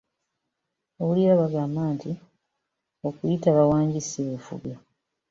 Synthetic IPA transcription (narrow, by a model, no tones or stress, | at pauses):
oβuliaβaɡaːmbaːnti | o̞kujitaβawaːɲɟisiβufṵɡa